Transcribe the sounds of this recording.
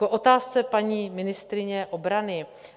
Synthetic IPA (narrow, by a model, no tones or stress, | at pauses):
koʔot̪aːst͡sɛpaɲiːmɪnɪst̪ɾɪɲɛʔobɾanɪ